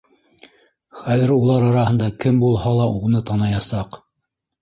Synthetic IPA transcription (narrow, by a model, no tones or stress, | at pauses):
χæðɘɾulˠɑɾɑɾɑɦɤ̆nd̪ɑkɘmbulˠhɑlˠɑʔunɤt̪ɑnɑjɑsɑq